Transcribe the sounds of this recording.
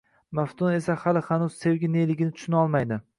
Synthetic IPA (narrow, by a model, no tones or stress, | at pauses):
maft̪ʰʊne̞sahalɪhanʊz̥sewɡʲɪnelɪɡʲɪnɪt̪ʰʊ̥ʃɪnɒlˠmajd̪ɪ